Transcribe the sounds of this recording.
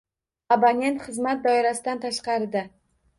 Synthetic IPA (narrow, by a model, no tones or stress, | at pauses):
abanʲe̞nt̪χɨzmat̪̚d̪ɒjɒɾasɪd̪ant̪ʰaʃqɑɾd̪ɪ